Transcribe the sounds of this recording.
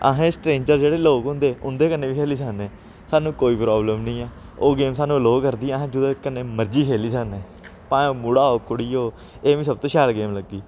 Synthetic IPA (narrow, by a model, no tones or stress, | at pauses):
ə̰ɦẽːsʈɾeːɲd͡ʒəɾd͡ʒeːɽeːloːkɦʊ̃nd̪eːʊnd̪eːkənːeːʋiːkʰeːliːs̬əneː | saːnũːkoːiːpɾɔːbləmnəĩːaː | oːɡeːmsaːnũːəloːkəɾd̪iːəɦẽːd͡ʒʊd̪oːkəneːməɾd͡ʒiːkʰeːliːsəːneː | pãːoːmuɽaːoːkʊɽiːoː | eːʋĩːsəb̚t̪õːʃɛːlɡeːmləɡːiː